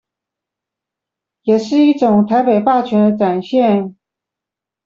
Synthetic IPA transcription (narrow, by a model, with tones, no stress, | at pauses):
jɛ˨˩ʂɻ̩˥˧i˥˩ʈ͡ʂʊ˨˩ŋt̪ʰa˧˥ɪpe˨˩ɪpa˥˩t͡ɕʰɥɛ˧˥nd̪ə˧ʈ͡ʂa˨˩nɕjɛ˥˩n